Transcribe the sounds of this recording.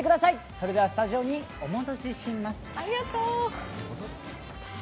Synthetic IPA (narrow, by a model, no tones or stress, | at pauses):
ekɯd̪asai | so̞ɾe̞d̪e̞asɨ̥t̪aʑio̞ɲ̟i | o̞mo̞t̪oɕiɕimasɨ̥aɾʲiɡat̪okot̪o